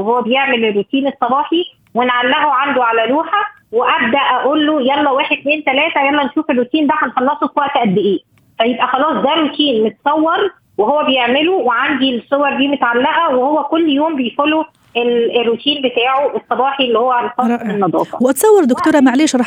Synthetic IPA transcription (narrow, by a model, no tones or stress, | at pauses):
eɦowːæbejeʕmelerːut̪iːnesˤːɑbɑːħi | wenʕalːæʔoʕand̪oʕalæluːħæ | weʔæb̚d̪æʔæʔolːojælːæwæːħed̪̚t̪meːnt̪ælæːt̪æjælːɑnʃuːferːut̪iːnd̪æħænxɑlːɑsˤofwæʔt̪ʔæd̪ːeʔeː | fæjebʔæxɑlɑːsˤd̪ærɾːut̪iːnmet̪sˤɑwːɑɾˤ | weɦowːæbejeʕmeloweʕand̪ilsˤːowɑɾˤd̪iːmot̪ʕalːæʔæwehowːækolːjoːmbejfolo | ʔelerːut̪ʰiːnbet̪aːʕoʔesˤːɑbɑːħiʔelːihowːæʕalæfɑsˤenːɑd̪ˤɑ̰ːfɑ̰weʔɑt̪sˤɑwːɑɾˤd̪okt̪oːɾˤɑmaʕleːʃɾˤɑːħ